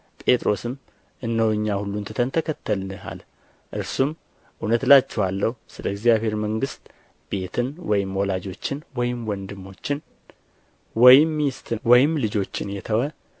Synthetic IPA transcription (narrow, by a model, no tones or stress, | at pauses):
pʼe̞t̪ʼɾo̞sɨm | ʔɨnːəwɨɲːahulːunt̪ʰɨt̪ʰənt̪ʰəkʰət̪ːəlɨha̰l | ʔɨɾsum | ʔunət̪lat͡ʃːɛhalːəhusɨləɪɡzijaβhe̞ɾməŋɡɨst̪ | b̥e̞t̪ʰɨnwɔjɪmːwɔlad͡ʒo̞t͡ʃːɪnwɔjɪmwɔnd̪ɨmːo̞t͡ʃːɪn | wɔjɪmːist̪ʰɨwɔjɪmlɨd͡ʒo̞t͡ʃːɪnjɛt̪ʰəwə